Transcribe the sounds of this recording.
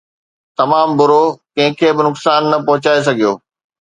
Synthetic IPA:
t̪ɐmaːmbʊɾokɐ̃ɦɪ̃kʰeːbɪnʊksaːnːɐpɐɦʊt͡ɕaːes̬ɐɡʱijo̰ː

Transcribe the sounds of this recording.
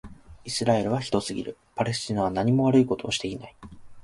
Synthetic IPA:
isɨɾae̞ɾɯ̟β̞açi̥t̪o̞sɨɡʲḭɾɯ̟̰ | paɾe̞sɨ̥t͡ɕinaβanaɲ̟imo̞βaɾɯ̟iko̞t̪o̞ːɕi̥t̪e̞ina̰i

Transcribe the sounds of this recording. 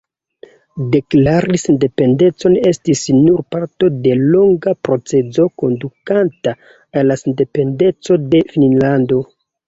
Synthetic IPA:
de̞klaɾisende̞pe̞nde̞t͡so̞nestisnuɾpaɾto̞de̞lo̞ŋɡapɾo̞t͡se̞zo̞ko̞ndukanta | alːasende̞pe̞nde̞t͡so̞de̞fininlando̞

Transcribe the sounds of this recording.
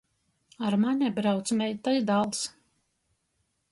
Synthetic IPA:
aɾmanʲɛbɾawt̪smʲɛjt̪ajd̪alˠs

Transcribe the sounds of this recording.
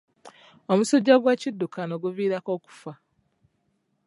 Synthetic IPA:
omusoɟːaɡwacidːukʰanoɡuviːɾako̞ːku̥fa

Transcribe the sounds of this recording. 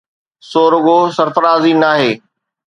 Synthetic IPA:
soːɾʊɡoːsɐɾfəɾaːzinaːɦeː

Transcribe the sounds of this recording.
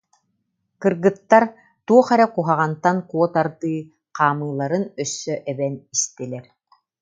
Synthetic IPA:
kɯɾɡɯt̪ːaɾ | t̪uɔχɛɾɛkuɦaʁant̪aŋkuɔt̪aɾd̪ɯː | qaːmɯːlˠaɾɯnœsːœʔɛbɛnist̪ilɛɾ

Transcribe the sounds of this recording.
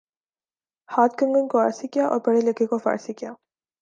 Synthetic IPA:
haːt̪kəŋɡənkoa̰ːɾsikijaʔɔ̰ːɾbɐɽelekekofa̰ːɾsikijaː

